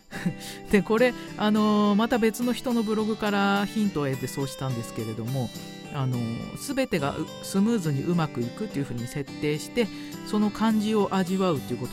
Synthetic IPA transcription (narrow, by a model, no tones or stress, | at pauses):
d̪̥e̞ko̞ɾe̞ | ano̞mat̪abe̞t͡sɨno̞çi̥t̪o̞no̞bɯ̟ɾo̞ɡɯ̟kaɾaçĩnt̪o̞ed̪e̞so̞ːɕi̥t̪ãnd̪e̞sɨ̥ke̞ɾe̞d̪o̞mo̞ | ano̞̰sɨbe̞t̪e̞ɡa̰ʔ | sɨmɯ̟ːzɨɲ̟iʔɯ̟makɯ̟ikɯ̟t̪ːe̞iɯ̟ɸɯ̟ːɲ̟ise̞t̪ːe̞ːɕi̥t̪e̞ | so̞no̞kʰãɲ̟d͡ʑio̞ʔaʑiβaɯ̟t̪ːeiɯ̟kot̪o